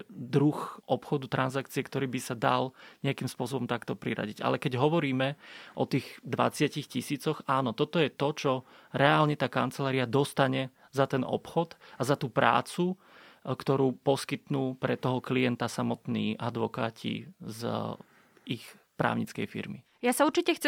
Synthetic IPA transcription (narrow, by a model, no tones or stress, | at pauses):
d̪ɾuxʔɔpxɔd̪ut̪ɾanzakt͡siɪɛkt̪ɔɾiːbisad̪a̰lɲɛakiːmspʊɔs̬ɔbɔmt̪akt̪ɔpɾiɾa̰ɟiɟa̰lɛkɛɟɦɔʋɔɾiːmɛʔɔ̰t̪iːɣd̪ʋa̰t͡sɪacixcisiːt͡sɔxaːnɔt̪ɔt̪ɔjɛt̪ɔt͡ʃɔ | ɾɛaːlɲɛt̪aːkant͡sɛlaːɾiad̪ɔst̪aɲɛ | zat̪ɛnʔɔ̰pxɔd̪azat̪uːpɾa̰ːt͡su | kt̪ɔɾuːpɔskit̪nuːpɾɛt̪ɔɦɔklijɛnt̪asamɔt̪nḭːʔad̪ʋɔkaːcʰḭz | ʔix | pɾa̰ːʊɲit͡skɛ̰jfḭɾmi | jasauɾt͡ʃicɛxt͡s